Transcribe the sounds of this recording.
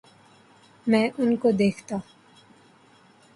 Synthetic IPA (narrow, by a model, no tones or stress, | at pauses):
mɛ̃ːʔʊnkod̪eːkʰt̪a